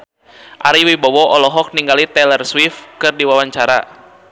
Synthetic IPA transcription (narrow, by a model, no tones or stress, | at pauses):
ʔaɾiwibɔwɔʔɔlɔɦɔk̚niŋɡalit̪ɛlɛrswifkɨrdiwawaɲt͡ʃaɾa̰